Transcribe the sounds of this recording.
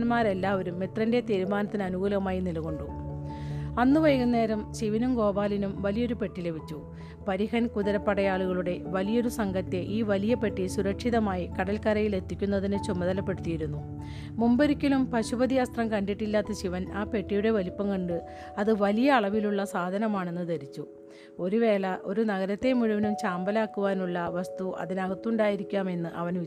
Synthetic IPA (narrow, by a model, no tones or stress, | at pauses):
ɐnmaːɾe̞lːaːʋɐɾumːit̪rɐnde̞t̪iːɾumaːnɐt̪ːinɨɐnuɣuːlɐɐmaːjinilɣo̞ɳɖu | ɐnːuʋɐjɐɣunːe̞ːɾɐmɕiʋinumɡo̞ːbaːlinumʋɐlijo̞ɾupe̞ʈːile̞ʋʱit͡ɕːu | pɐɾiɦɐnkuðɐɾɐpːɐɽɐjaːɭuɣɐɭuɽe̞ʋɐlijo̞ɾusɐŋɡɐt̪ːe̞ʔiːʋɐlijɐpe̞ʈːisuɾɐkʂiðɐmaːjikɐɽɐlkɐɾɐjile̞t̪ʰːikʲːunːɐðinɨt͡ɕumːɐðɐlɐpːe̞ɽut̪ːijiɾunːu | mumbɐɾikʲːɐlumpɐɕubɐd̪ijɐst̪rɐmkɐɳɖiʈːilːaːt̪ːɐɕiʋɐnaːpe̞ʈːijuɽe̞ʋɐlipːɐŋkɐɳɖɨ | ɐðɨʋɐlijɐːɭɐʋiluɭːɐsaːd̪ʱɐnɐmaːɳe̞nːɨd̪ɐɾit͡ɕːu | o̞ɾuʋe̞ːlɐʔo̞ɾunɐɣɐɾɐt̪ːe̞muɻuʋɐnumt͡ɕaːmbɐlaːkːuʋaːnuɭːɐʋɐst̪uʔɐ̰ðinɐɣɐt̪ːuɳɖaːjiɾikʲːaːme̞nːɨʔɐʋɐnʋi